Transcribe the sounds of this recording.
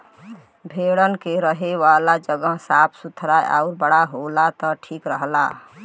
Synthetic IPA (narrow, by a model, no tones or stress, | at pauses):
bʱeɽənkeɾəɦewalad͡ʒəɡəɦsapʰsut̪ʰɾajʔa̰ʊɾbəɽaɦolat̪ɔʈʰikɾəɦla̰